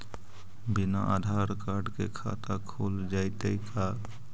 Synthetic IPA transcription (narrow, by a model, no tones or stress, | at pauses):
binaʔad̪ʱaɾkaɾɖkḛkʰa̰t̪akʰold͡ʒaɪt̪əɪka